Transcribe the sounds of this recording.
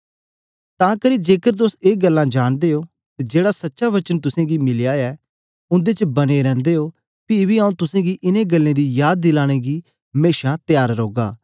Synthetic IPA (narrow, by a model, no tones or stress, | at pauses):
t̪ãːkəɾid͡ʒeːkəɾt̪̬ʊseːɡəlːãd͡ʒaːɽ̃d̪eːoː | t̪ed͡ʒeːɽasɐtːʃaʋɐt͡ʃənt̪ʊsẽːɡimɪlɪjaːɛː | ʊ̃nd̪et͡ʃbɐneɾɛ̃ːnd̪eːoː | pibiaũt̪ʊsẽːɡiʔɪneɡəlːẽːd̪ijaːd̪̚ːɪlaːɽ̃eːɡiː | meːʃat̪ɪjaːɾɾoːɡa̰ː